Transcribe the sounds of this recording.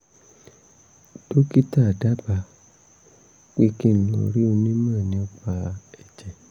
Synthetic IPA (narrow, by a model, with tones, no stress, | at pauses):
do˦ki˦ta˦˨da˦ba˧ | k͡pe˦ki˦˨n̩˨lõ̰˨ɾi˦ũ˧nĩ˦mã˦˨nĩ˨o˦k͡pa˧ɛ˨d͡ʒɛ˨